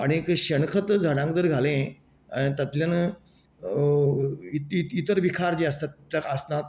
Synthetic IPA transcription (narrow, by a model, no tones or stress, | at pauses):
a̰ɽ̃ikɕəɳkʰət̪d͡zʱəɽãŋkd̪əɾɡʱalẽ | ait̪ət̪ljan | it̪iit̪əɾʋikʰaɾd͡ʑeːəst̪at̪lakasnat̪